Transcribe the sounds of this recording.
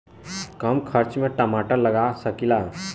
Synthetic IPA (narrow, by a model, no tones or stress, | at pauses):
kəmkʰəɾt͡ʃmẽʈəmaʈəɾləɡasəkila